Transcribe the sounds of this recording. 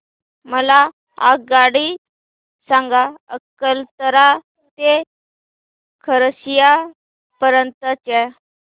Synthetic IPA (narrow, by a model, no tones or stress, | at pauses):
məla | a̰ɡaɽi | sãŋɡaəkːəlt̪əɾa | t̪e | kʰəɾəsija | pəɾənt̪ət͡ɕɛ